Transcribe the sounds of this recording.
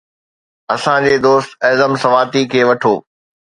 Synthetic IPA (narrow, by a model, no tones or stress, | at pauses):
ɐsãd͡ʑeːd̪oːst̪ɐːzəmsɐʋaːt̪ikʰeːʋɐʈʰoː